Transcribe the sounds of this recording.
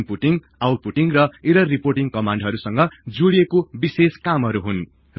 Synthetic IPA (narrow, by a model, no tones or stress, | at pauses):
npuʈiŋɡ | awʈ̚puʈiŋrʌiɾʌrːiporʈiŋkʌmãɳɖɦʌɾusʌŋɡʌd͡zuɽijekobiseskamɦʌɾuɦun | r